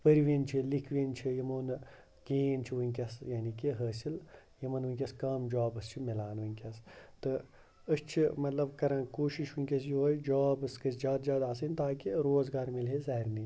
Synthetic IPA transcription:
pəɾʋint͡ʃʰilikʰʋint͡ʃʰijɐmoːn | keːnt͡ʃʰiʋɨnʲkʲɐsjanikiɦɐːsil | jɐmɐnʋɨnʲkʲɐskɐːmd͡ʒaːbɨst͡ʃʰimilaːnʋunʲkʲɐst̪ɨ | əst͡ʃʰimɐt̪lɐbkɐɾãːnkoːʃiʃʋunʲkʲɐs̬juɦoːjd͡ʒaːbɨskɐsd͡ʒaːd̪zaːd̪aːs̬inʲt̪aːkiɾoːzɡaːɾmilɦezɐɦɐɾniː

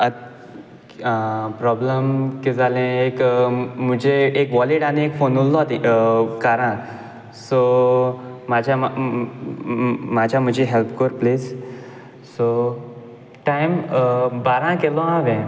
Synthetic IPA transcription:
ə | pɾɔbləmkid͡zalẽekm̤əd͡ʑeːkʋɔliʈañiekfonullɔt̪ikaɾã | so | mad͡ʑʱja | mad͡ʑʱjam̤əd͡ʑʱiɦelpkoɾples | so | ʈajmbaɾãkelɔ̃aʋẽ

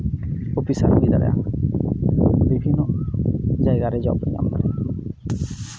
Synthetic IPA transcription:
opisaɾɔbid̪aɾɛ̰a̰ | bibʱinːɔ | d͡ʒajɡaɾɛd͡ʒɔ̰pɾɲa̰mkaɾɛ

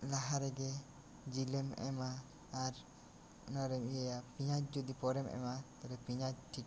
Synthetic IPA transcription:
laɦaɾɛɡɛ | d͡ʒilɛmɛ̰maː | ɾ | naɾɛmijajapiɲat͡ʃ̚d͡ʒɔd̪ipɔɾɛmʔɛ̰mat̪aɾɛpiɲat͡ʃʈʰik

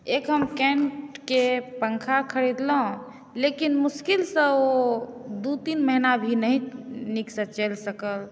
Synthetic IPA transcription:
ekɦəmkɛ̃ɳʈkepəŋkʰakʰəɽid̪ləɦ | lekinmuskilsə̃od̪ut̪inməɦinabʱinəɦĩniksə̃t͡ʃelsəkəl

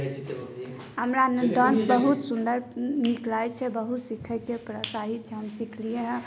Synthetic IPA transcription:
ɦəmɾand̪ə̃nsbəɦut̪sund̪əɾniklajt͡ʃʰɛbəɦut̪sikʰəkepɾəsaɦit͡ʃʰɛɦəmsikʰlieɦɛ̃

